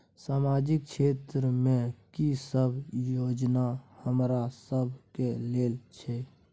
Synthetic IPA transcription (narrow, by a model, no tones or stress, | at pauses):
saːmad͡ʒɪk̚t͡ʃʰet̪ɾəmẽkisəbʱjoːd͡ʒnahəmɾasəbʱkeleːlt͡ʃʰɛ